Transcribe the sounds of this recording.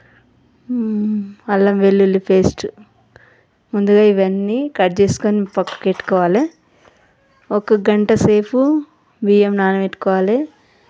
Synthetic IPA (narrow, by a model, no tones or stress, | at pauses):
ɐlːɐmʋelːulːupe̞ːsʈu | mund̪uɡaːiʋɐnːiːkɐɖt͡ʃe̞ːsu̥koːnipɐkːɐ̥keʈːu̥kɔːʋaːle | ɔkɐɡɐɳʈɐse̞ːpʰu | ʋiːemnaːnɐʋeʈːu̥kɔːʋaːle